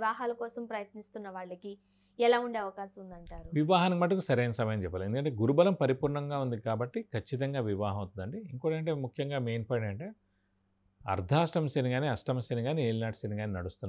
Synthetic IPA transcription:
ʋaːɦaːlɐkɔːsɐmpɾɐjɐt̪nist̪unːɐʋaːɭːɐki | ɛlaːuɳɖeɐʋɐkaːʃɐmund̪ɐɳʈaːɾuʋiʋaːɦɐnɐbɐʈːɐkusɐɾeːnɐsɐmɐjɐmt͡ʃɛpːaːliend̪kɐɳʈeːɡuɾubɐlɐmpɐɾipuːɾɳɐŋɡaːund̪ikaːbɐʈːikʰɐt͡ʃːit̪̬ɐŋɡaːʋiʋaːɦɐmɐwt̪und̪ɐɳɖiiŋkoːɽɐɐɳʈeːmukʰjɐŋɡaːmeːnpaːɽiɳɖɐɳʈe̞ː | ɐ̰ɾd̪ʱaːsʈɐmɐseniɡaːniːɐsʈɐmɐseniɡaːnieːlnaːʈseniɡaːniːnɐɽust̪unːa

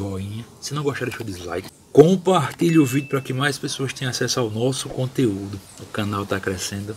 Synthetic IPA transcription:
ɔĩɲɐsɪnɐ̃w̃ɡɔʃt̪aɾʃod̪ɪzla̰jk | kõpaɾt̪iʎʊʊvid̪jʊpɾɐkɪmajspesoɐst̪ẽj̃asɛsʊawnɔsʊkõt̪eud̪ʊ | ʊkɐ̃nawt̪akɾɛsẽnd̪ʊ

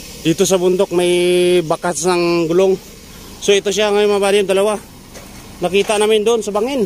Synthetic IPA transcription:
d̪it̪os̬abʊnd̪ok̚majbakasnaŋɡʊloŋ | soɪt̪os̬jaŋamabaɾiamd̪alawa | nakiːt̪aʔnaːmɪnd̪oʔonsabaŋɪn

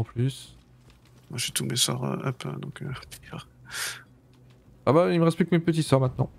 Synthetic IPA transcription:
ɑ̃plys | mwaʒit̪umesɔʁə̰ʔapd̪ɔ̃kʰøt̪jʁ | abailməʁɛspik̚t̪mepət̪̬isœʁmɛ̃t̪̚nɑ̃

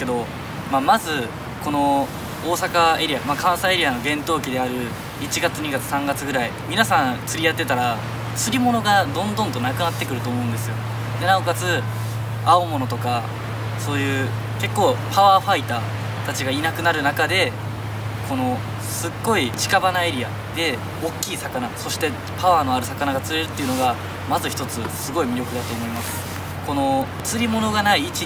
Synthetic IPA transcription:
ked̪o̞ | mamazɨ | ko̞no̞ | oːsakae̞ɾʲiamakãɰ̃sae̞ɾʲiano̞ɡẽ̞nt̪o̞ːkʲid̪e̞aɾɯ̟ | it͡ɕiɡat͡sɨɲ̟iɡat͡sɨ̥sãŋɡat͡sɨɡɯ̟ɾaimʲinasãnt͡sɨɾʲiat̪ːe̞t̪aɾa | t͡sɨɾʲimo̞noɡad̪õ̞nd̪õ̞nt̪o̞nakɯ̟nat̪ːe̞kɯ̟ɾɯo̞ːmo̞ɯ̟̃nd̪e̞sɨjo̞ | d̪e̞naokat͡sɨ | aomo̞no̞t̪o̞ka | so̞ːjɯ̟ː | ke̞kːo̞ːpaβaːɸait̪aː | t̪at͡ɕiɡainakɯ̟naɾɯ̟nakad̪e̞ | kʰo̞no̞ | sɨɡːo̞it͡ɕi̥kabanae̞ɾʲia | d̪̥e̞ | o̞kʲːiːsakanaso̞ɕi̥t̪e̞ | paβaːno̞aɾɯ̟sakanaɡat͡sɨɾeɾɯ̟t̪ːeiɯ̟no̞ɡa | mazɨçi̥t̪o̞t͡sɨsɨɡo̞imʲiɾʲo̞kɯ̟d̪at̪o̞ːmo̞imasɨ̥ | ko̞no̞ | t͡sɨɾʲimo̞no̞ɡanaiːt͡ɕi

